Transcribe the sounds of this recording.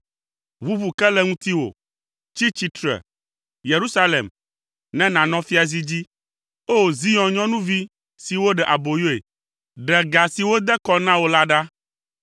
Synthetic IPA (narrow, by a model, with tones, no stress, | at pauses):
vu˦vu˨kɛ˦lɛ˦ŋũ˦t̪i˦wo̰˨ | t͡ɕi˦t͡ɕi˦t̪ɾɛ̰˨ | je˨ɾu˦sa˦lḛ˨m | nɛ̃˦nã˨nɔ̃˦fi˦a˨zi˦d͡ʑi˦ | o˦˨zi˦jɔ̃˨ɲɔ̃˦nũ˦vi˦ | si˨wo˦ɖɛ˨ʔa˨bo˨jo˦ḛ˨ | ɖɛ˨ɡa˨si˨wo˦d̪ɛ˦kɔ˦nã˦wo˦la˦ɖa˦